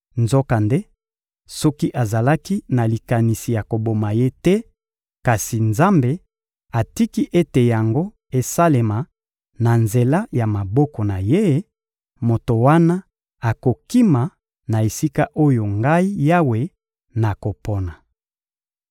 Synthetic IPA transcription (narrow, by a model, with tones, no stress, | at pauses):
nzɔ˦ka˨nde˦ | sɔ˦ki˦ʔa˨za˨la˦ki˦na˨li˨ka˨ni˨si˨ja˨ko˨bo˨ma˨je˦tɛ˦ | ka˨si˨nza˦mbe˨ | a˨ti˦ki˦ʔe˦te˨ja˨ŋɡo˦ | e˨sa˦le˨ma˨ | na˨nze˨la˦ja˨ma˨bɔ˦kɔ˨na˨je˦ | mo˨to˨wa˦na˦ | a˨ko˨ki˦ma˨ | na˨e˨si˦ka˦ʔo˦jo˨ŋɡa˦i˦ja˦we˨ | na˨ko˨pɔ˦na˨